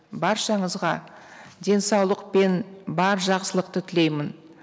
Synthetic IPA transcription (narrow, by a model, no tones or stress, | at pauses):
bɑɾʃɑɴəzʁɑd̪ʲe̞nsɑwlˠəqpe̞nbɑɾʒɑqsəlˠəq̚t̪ət̪ʰɪle̞jmɪn